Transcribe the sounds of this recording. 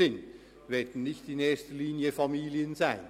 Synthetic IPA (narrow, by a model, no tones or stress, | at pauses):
ɪn | vɛːɐdn̩nɪçtɪneːɐstəliːnjəfamiːljənzaɪn